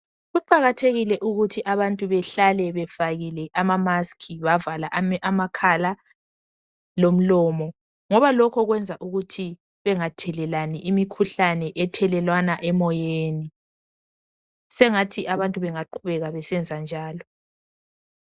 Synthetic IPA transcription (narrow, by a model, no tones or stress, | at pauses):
ɣuǃaɣatʰeɣilɛʔuɣutʰiʔaβantʼuβɛɬalɛβɛfaɣilɛʔamamaskʰiβavalaʔamakʰala | lom̩lɔːmɔ | ŋɔβalɔkʰɔɣwɛnd͡zʱaʔuɣutʰi | βɛŋatʰɛlɛlaniʔimikʰuɬanɛʔɛtʰɛlɛlwanaʔɛmɔjeːni | sɛŋatʰiʔaβantʼuβɛŋaǃʰuβɛɣaβɛsɛnd͡zʱand͡ʒʱaːlɔ